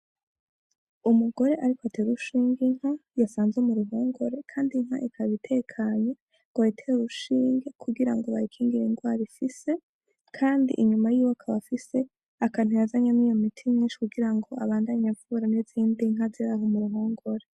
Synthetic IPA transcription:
umuɡo̞ɾe̞ʔaɾikoatʰe̞ːɾuʃiːŋɡiŋ̥hajasaːnzwemuɾuɦo̞ːŋɡo̞ɾe̞kʰaːndiŋ̥ha̰ʔikʰaβitʰe̞ːkʰaːɲo̞ | ɡaitʰeɾuʃiːŋɡekʰuɡiɾaŋɡoβaɾikʰiːŋɡiɾinɡwaːɾifise̞ | kʰaːndḭʔiɲumajiːwaakʰaβafise̞ | akan̥ujazaɲamijomitʰimɲiːnʃi̥kuɡiɾaŋɡo̞aβaːndaɲavuɾaneziːndiŋ̥aziɾaɦomuɾuɦo̞ːŋɡo̞ɾe

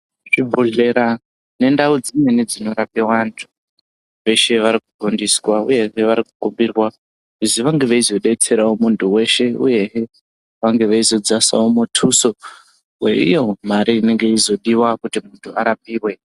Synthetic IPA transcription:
ʐ̥ibʱuɮe̞ɾa | ne̞ndaud͡zine̞nid͡zino̞ɾapewantʰu̥ | ʋe̞ʃe̞ʋaɾik̚uɡʱondiswaṵje̞ɦeʋaɾiku̥kumbirwa | uziʋaŋɡe̞ʋaizo̞ɗe̞t͡se̞ɾaomuntʰuwe̞ʃe̞ṵje̞ɦe | ʋaŋɡe̞ʋaizo̞d͡zasa̰omutʰuso | we̞ḭjo̞maɾiːne̞ŋɡe̞izo̞ɗiwakutimuntʰuaɾapiːrwe̞

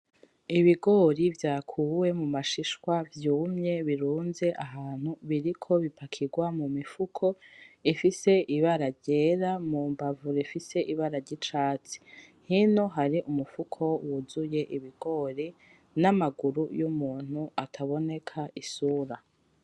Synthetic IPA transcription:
iβiɡo̞ːɾivjaːkʰuːwe̞mumaʃiʃwavjuːmɲe̞βiɾuːnze̞ʔaɦaːn̥huβiɾikʰo̞βipʰakʰiɡwamumifukʰo̞ifise̞ʔiβaɾaɾɟe̞ːɾamuːmbavuɾifise̞ʔiβaɾaɾɟit͡ʃaːt͡si̥ | hino̞ɦaɾiʔumufukʰo̞wuzuje̞ʔiβiɡ̥o̞ːɾi | namaɡuɾujumuːn̥huʔatʰaβo̞ne̞kʰaʔisuːɾa

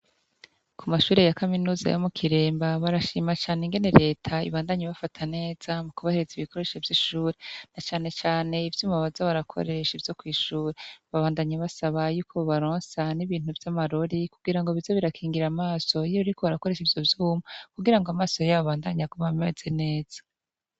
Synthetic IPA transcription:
kʰumaʃuːɾe̞jakaminuːza̰jomukʰiɾe̞ːmbaβaɾaʃimat͡ʃaːneŋɡe̞ne̞ɾe̞ːtʰaḭβaːndaɲeβafatʰane̞ːz̥amukuβaheɾeziβikʰo̞ɾe̞ʃevjiʃuːɾenat͡ʃaːne̞t͡ʃaːne̞ivjuːmaβazoβaɾakʰo̞̰ɾe̞ʃivjo̞kwiːʃuːɾeβaβaːndaɲeβasaβajuːkʰo̞oβaɾoːnsaniβiːn̥uvjamaɾo̞ɾikuɡiɾaŋɡoβizo̞βiɾakʰiːŋɡiɾamaːso̞jβiɾiko̞βaɾako̞ɾe̞ʃivjo̞vjuːmakuɡiɾaŋɡoamaːso̞jaβaβaːndaɲakoβamezene̞ːz̥a

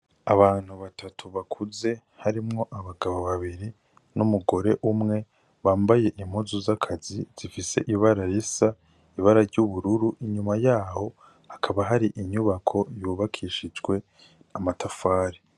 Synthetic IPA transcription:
aβaːn̥huβatʰatʰuβakʰuze̞ | haɾimŋo̞ʔaβaɡaβoβaβiɾi | numuɡo̞ɾe̞ʔumŋe̞ | βaːmbaje̞ʔim̥huzuzakʰaziz̥ifise̞̰ʔiβaɾajisa | iβaɾaɾɟuβuɾuɾuʔiɲumajaːho̞ | hakʰaβaɦaɾiʔiɲuβakʰo̞juːβakʰiːʃid͡ʒɡwe̞ | amatʰafaːɾi

